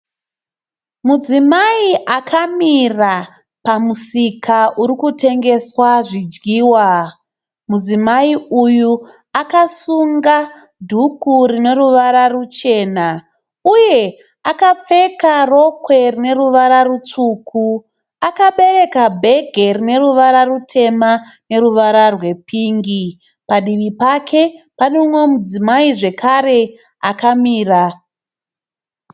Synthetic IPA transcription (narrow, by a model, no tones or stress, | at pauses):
mud͡zimaiʔakʰamira | pamusikʰaʔuɾikute̞ŋɡe̞swaʐid͡ʒɡiːwa | mud͡zimaiuju | akasuŋɡa | dʱukuɾine̞ruʋaɾarut͡ʃe̞ːna | uje̞ | akap͡fe̞karo̞kwe̞rine̞ɾuʋaɾarut͡ʂuːkʰu | akaɓe̞re̞kabʱe̞ɡʱe̞rine̞ɾuʋaɾarutʰe̞ma | ne̞ɾuʋaɾarwe̞pʰiːŋɡi | paɗiʋipakʰe̞paneumwe̞mud͡zimaiʐe̞kʰare̞ | akamiːra